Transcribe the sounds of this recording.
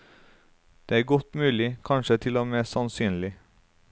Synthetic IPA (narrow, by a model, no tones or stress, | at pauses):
d̪̥eːæːɡɔt̪mʉːlɪkʰɑnʃət̪ʰɪloːmɛsɑnsyːnlɪ